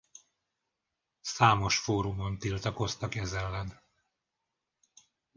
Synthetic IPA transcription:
saːmo̞ʃfoːɾumont̪ilt̪ɒko̞st̪ɒkɛzɛlːɛn

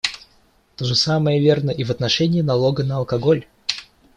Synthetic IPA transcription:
t̪oʐəsaməjəvʲe̞rnəʔivɐt̪nɐʂɛnʲɪːnɐlˠoɡənəɐlˠkɐɡo̞lʲ

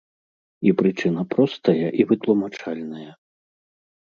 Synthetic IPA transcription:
ipɾɨt͡ʂɨn̪ɐpɾɔst̪ɐjɐʔivɨt̪lˠumat͡ʂalʲnɐjɐ

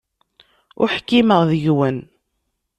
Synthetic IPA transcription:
ʊ̰ɾħkːiməʁðəʝwən

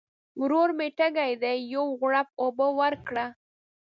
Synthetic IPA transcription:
wɾoɾmeʈaɡajd̪ajːowɣɽap̚obəwaɾkɽa

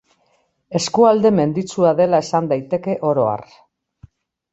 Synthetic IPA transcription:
e̞skuald̪e̞me̞nd̪it͡suaðe̞lae̞sand̪ajt̪e̞ke̞ʔo̞ɾo̞a̰r

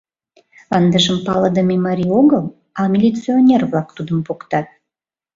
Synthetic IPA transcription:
ɑnd̪əʒəmpɑləd̪əmʲemɑɾʲioɣəl | ɑmʲilʲit͡sionʲerβlɑkt̪ud̪əmpokt̪ɑt̪̚

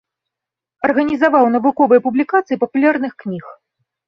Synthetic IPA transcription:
ɐrɣɐnʲizavawn̪ɐvukɔvɨjɐpublʲikat̪sɨipɐpulʲarnɨxknʲix

